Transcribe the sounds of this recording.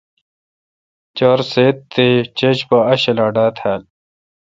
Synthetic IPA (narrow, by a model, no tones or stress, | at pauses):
t͡ɕoːɾseːt̪ːet͡ɕet͡ɕpɐɐɕɐlaːɖaːt̪ʰaːl